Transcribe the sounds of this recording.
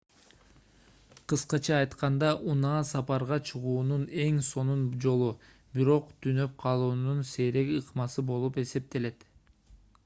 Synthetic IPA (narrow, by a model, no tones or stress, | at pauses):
qʰɯsqɑt͡ʃʰɑːjt̪qɑnd̪ɑʔunɑːsɑpɑɾʁɑt͡ʃʰɯʁuːnune̞ŋso̞nund͡ʒo̞lˠu | biɾo̞qt̪ʰynø̞p̚qʰɑlˠuːnunse̞ɾe̞kɯqmɑsɯbo̞lˠupe̞se̞p̚t̪e̞le̞t̪